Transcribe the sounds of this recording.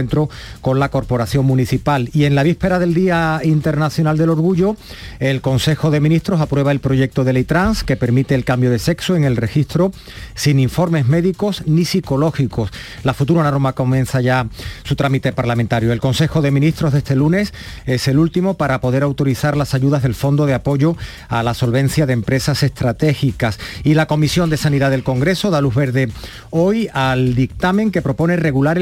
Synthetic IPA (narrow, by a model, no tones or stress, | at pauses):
ent̪ɾoko̞nlako̞ɾpo̞ɾaθjo̞ŋmũniθipalie̞ŋlaβ̞ispe̞ɾaðe̞ld̪iaint̪eɾnaθjo̞nald̪e̞lo̞ɾɣ̞uʎo | e̞lko̞nse̞xo̞ðe̞mĩnist̪ɾo̞sapɾwe̞β̞ae̞lpɾo̞ʝe̞k̚t̪o̞ðe̞lejt̪ɾanske̞pe̞ɾmit̪e̞ːlkambjo̞ðe̞se̞ksoe̞ŋe̞lre̞xist̪ɾo | siniɱfo̞ɾme̞zme̞ðiko̞snisiko̞lo̞xiko̞s | lafut̪uɾanaɾomako̞mjẽ̞nθaʝasut̪ɾamit̪e̞paɾlamẽnt̪aɾjoelko̞nse̞xo̞ðe̞mĩnist̪ɾozðe̞st̪e̞lune̞s | e̞se̞lult̪imo̞paɾapo̞ð̞e̞ɾawt̪o̞ɾiθaɾlasaʝuðazðe̞lfo̞nd̪o̞ð̞eapo̞ʝo̞ | alaso̞lβẽ̞n̟θjaðempɾe̞sase̞st̪ɾat̪e̞xikasilako̞misjo̞nd̪e̞saniðaðe̞lko̞ŋɡɾe̞so̞ð̞aluɦβe̞ɾðe̞ | o̞jald̪ik̚t̪amẽ̞ŋke̞pɾo̞po̞nere̞ɣulaɾ